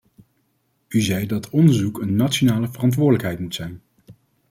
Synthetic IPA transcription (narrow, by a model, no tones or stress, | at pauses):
yzɛjdɑtʰɔndəɹzukənːatt͡ʃonaːləvərɑntʋʊːɹdələkɦɛjtmutsɛjn